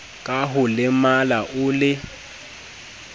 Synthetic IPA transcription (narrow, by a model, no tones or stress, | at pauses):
kʼaɦʊlɪmalaʔʊːlɪ